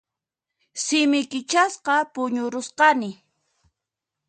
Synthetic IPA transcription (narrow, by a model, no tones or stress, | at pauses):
sɪmɪkɪt͡ʃasqɑpʊɲʊɾʊsqɑnɪ